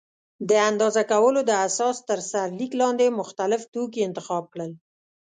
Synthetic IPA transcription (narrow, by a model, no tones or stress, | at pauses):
d̪əand̪ɑzakawəlod̪əasɑst̪əɾsaɾliklɑnd̪emʊxt̪alɪft̪ok̬iɪnt̪ɪxɑb̚kɽəl